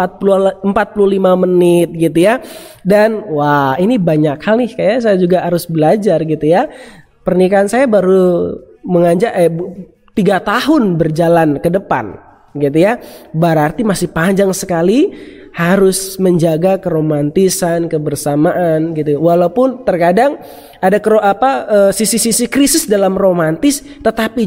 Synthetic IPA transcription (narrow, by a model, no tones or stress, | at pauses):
at̪̚puluəmpat̪̚pululimamənɪt̪̚ɡit̪uja | danwainibaɲakhalɪhkajas̬ajad͡ʒuɡaɦaɾʊsbəlad͡ʒarɡit̪uja | pərnikaːnsajabaɾu | məŋaɲd͡ʒaʔɛ | t̪iɡat̪aɦʊnbərd͡ʒalankədəpa̰n | ɡit̪ujabəɾart̪imasɪhpaɲd͡ʒaŋsəkalihaɾʊsməɲd͡ʒaɡakəɾomant̪isankəbərsamaʔanɡit̪uwalaupʊnt̪ərkadaŋ | adakəɾoʔapaəsisisisikɾisɪsdalamromant̪ɪs | t̪ət̪api